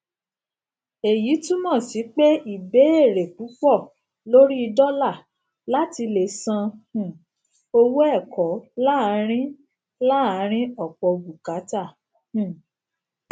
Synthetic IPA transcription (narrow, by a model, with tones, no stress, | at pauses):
e˨ji˨˦tũ˦mɔ̃˦˨si˨˦k͡pe˦i˦˨be˨˦e˦˨ɾe˨k͡pu˨˦k͡pɔ˦˨ | lo˦ɾi˦i˧dɔ˦la˦˨ | la˦ti˧le˨sã˧hũ˨ | o˧wo˦ɛ˦˨kɔ˨˦la˦a˧˦ɾ̃ĩ˦ | la˦˨a˨˧˦ɾ̃ĩ˦ɔ˦˨k͡pɔ˧o˧ɡu˨ka˨˦ta˦˨ | hũ˦˨